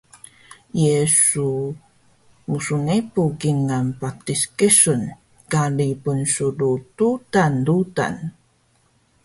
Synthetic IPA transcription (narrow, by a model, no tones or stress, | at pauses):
jesu | musunepuɡiŋanpatiskəsun | kalipunsudututanduta̰n